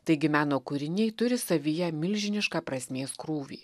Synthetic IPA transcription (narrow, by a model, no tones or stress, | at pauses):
t̪ɐɪɡʲɪmʲæːnoːkʊɾʲɪnʲɛɪt̪ʊɾʲɪsɐʋʲɪjɛmʲɪlʲʒʲɪnʲɪʃkɑːpɾɐsʲmʲeːskɾuːʋʲḭː